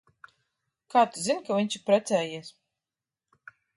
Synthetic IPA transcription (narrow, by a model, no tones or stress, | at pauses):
kaːt̪uzinkavʲiɲʲt͡ʃipɾɛt̪sʲɛːjiɛs